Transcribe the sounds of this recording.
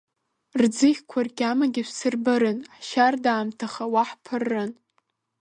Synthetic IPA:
rd͡zɨχʲkʷʰarkʲamaɡʲɪʃʷsɨrbɨɾɨnħʃardaːmtʰaχawaħpʰɨrːɨn

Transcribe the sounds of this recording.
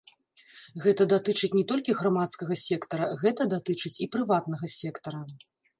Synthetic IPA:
ɣɛt̪ɐd̪at̪ɨt͡ʂɨt͡sʲnʲɛt̪ɔlʲkʲiɣɾamat̪skɐɣɐsʲɛkt̪ɐɾɐɣɛt̪ɐd̪at̪ɨt͡ʂɨt͡sʲipɾɨvat̪nɐɣɐsʲɛkt̪ɐɾɐ

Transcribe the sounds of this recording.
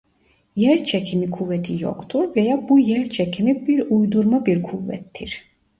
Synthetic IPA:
jɛɾt͡ʃʰecʰimikʰuvːɛt̪ʰijo̰kt̪ʰuɾvejabujæɾt͡ʃʰecʰimibiɾujd̪uɾmabiɾkʰuvːɛ̰t̪ʰːḭɾ̥

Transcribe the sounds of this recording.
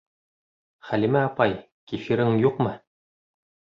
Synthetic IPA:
χælimæɑpɑj | kifiɾɘŋjuqmɤ

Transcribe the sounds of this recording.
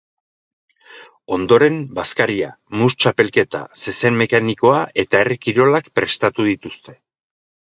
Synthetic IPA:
o̞nd̪o̞ɾe̞mbaskaɾia̰ | must͡ʃape̞lke̞t̪a̰se̞se̞nmme̞kaniko̞aʔe̞t̪ae̞rikiɾo̞lakpɾe̞st̪at̪uðit̪ust̪e̞

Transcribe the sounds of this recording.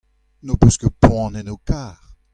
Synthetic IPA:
nopøskəpwɑ̃nɛnokaːʁ

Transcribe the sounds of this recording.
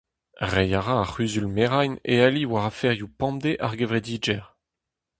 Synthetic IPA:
ʁɛjaʁãaχyzylmeʁajnḛaliwaʁafɛʁjupɑ̃md̪eʔaʁɡevʁed̪iːd͡ʒɛʁ

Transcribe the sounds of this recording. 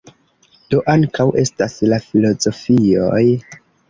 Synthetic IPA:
d̥o̞ʔaŋkawʔe̞staslafilo̞zo̞fio̞̰j

